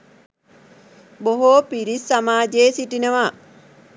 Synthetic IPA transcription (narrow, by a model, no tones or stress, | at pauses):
boɦoːpiɾisːamaːd͡ʒeːsiʈinəʋa